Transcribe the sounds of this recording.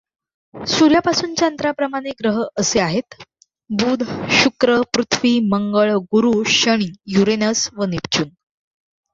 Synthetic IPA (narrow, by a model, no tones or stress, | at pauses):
suɾjapasuːnt͡ɕant̪ɾapɾəmaɽ̃eɡɾəɦəseaɦet̪ | buːd̪ʱɕukɾəpɾut̪ʰʋiːməŋɡəɭɡuɾuːɕəɽ̃iːjuɾenəsʋənip̚t͡ɕuːn